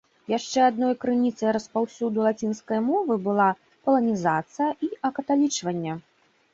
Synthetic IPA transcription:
jaʂt͡ʂɛad̪nɔjkɾɨnʲit̪sɐjɾɐspawsʲud̪ulˠat͡sʲinskɐjmɔvɨbɨlˠa | pɐlˠɐnʲizat̪sɨjɐʔiɐkɐt̪alʲit͡ʂvɐnʲːɐ

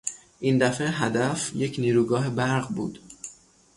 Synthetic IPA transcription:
ʔind̪æfeɦæd̪æfje̞cʰniːɾuːɡɒːɦe̞bæɾɢbṵːd̪̥

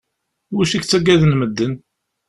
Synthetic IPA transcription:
wuʃiçt͡sːæɡæðənməd̪ːən

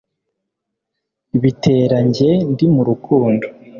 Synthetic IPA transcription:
iβite̞ːɾaɲɟe̞ndimuɾukuːndo

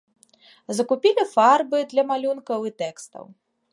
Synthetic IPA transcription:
zɐkupʲilʲifarbɨd̪lʲɐmalʲunkɐwit̪ɛkst̪ɐ̰w

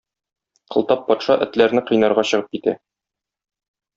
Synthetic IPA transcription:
qʰɤ̆lˠt̪ɑpːɒt̪ʃɑʔɘ̆t̪læɾnɘqɤ̆jnɑɾʁɑɕɤ̆ʁɤp̚kit̪æ̰

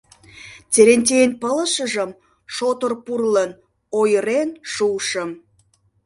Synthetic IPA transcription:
t͡seɾenʲt̪̬ʲeenpələʃəʒəm | ʃot̪orpurlən | ojəɾenʃuʃəm

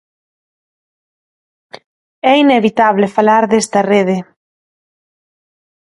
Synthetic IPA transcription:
ɛineβit̪aβlefalaɾðest̪ɐreðɪ

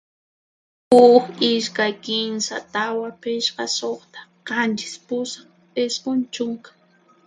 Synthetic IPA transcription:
hʊkɪʃkajkɪnsa̰t̪awapɪʃqɑsoχt̪ḁqɑnt͡ʃɪ̥spʊsaχ | pesqont͡ʃʊŋkḁ

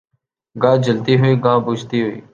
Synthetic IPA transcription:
ɡãːd͡ʒəlt̪iːɦʊiːɡãːbʊd͡ʒʱt̪iːɦʊḭː

